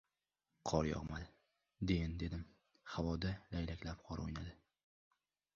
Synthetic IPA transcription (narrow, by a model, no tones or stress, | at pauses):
qʰɒɾjɒ̰ʁmal | d̪end̪e̞d̪ɪm | havɒd̪alajlakʲlap̚qʰɒɾo̰jnad̪ɪ